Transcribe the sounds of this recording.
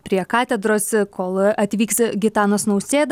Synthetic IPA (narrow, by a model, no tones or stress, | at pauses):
pʲɾʲiɛkɑːt̪ʲɛd̪ɾoːskʰoːlˠɐt̪ʲʋʲiːksɡʲɪt̪ɑːnoːsnɐʊsʲeːd̪